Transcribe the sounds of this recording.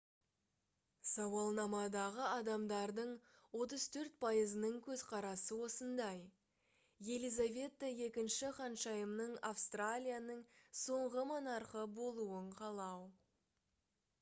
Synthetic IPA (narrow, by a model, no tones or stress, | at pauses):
sɑwɑlˠnɑmɑd̪ɑʁəɑd̪ɑmd̪ɑɾd̪əɴwo̞t̪əz̥t̪ʰɵɾt̪̚pʰɑjəzənəɴkʲʰɵzqʰɑɾɑsəwo̞sənd̪ɑj | je̞lˠijzavʲe̞t̪ːəje̞kʲɪnʃɪχɑnʃɑjəmnəɴafst̪ralʲijanəɴso̞ɴʁəmɑnɑɾqəbo̞lˠuəɴqʰɑlˠɑw